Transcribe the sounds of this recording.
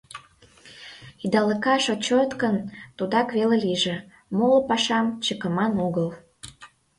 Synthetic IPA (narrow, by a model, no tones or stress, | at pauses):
id̪ɑlə̆kɑʃot͡ɕot̪kənt̪ud̪ɑkβeleliʒĕ | molpɑʃɑmt͡ɕəkə̆mɑnoɣəl